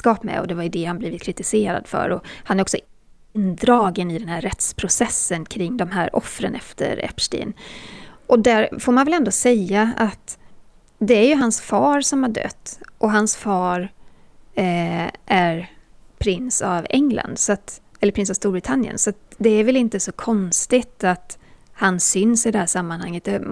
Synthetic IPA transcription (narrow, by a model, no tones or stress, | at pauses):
skɑːpmɛ̰ɔ̰d̪ɛvaɾɪd̪eːhanblɪːvɪt̪kʰɾɪt̪ɪseːɾa̰d̪fœ̰ɾɔhanæɾɔksɔ | nd̪ɾɑːɡənɪd̪ɛnhæːɾːɛt̪spʰɾʊsɛsːənkʰɾɪŋːd̪ɔmɦæːɾʔɔ̰fɾə̰nɛft̪ʰə̰ɾɛ̰pʂʈḭːn | ʔɔd̪æɾfoːɾmanvɛlɛnd̪oːsɛjːaat̪ | d̪ɛæɾjɵɦansfɑːɾsɔmhaɖœ̰t̪ːʔɔɦansfɑːɾ | ʔæɾpʰɾɪnsavɛŋla̰nd̪sɔat̪ɛləɾpʰɾɪnsavst̪uːɾbɾɪt̪ʰanːjə̰nsɔat̪̚d̪ɛæɾvɛlɪnt̪əsɔkʰɔnst̪ɪt̪at̪hansʏnsɪd̪ɛhæːʂamːanhaŋːət̪̚d̪ɛ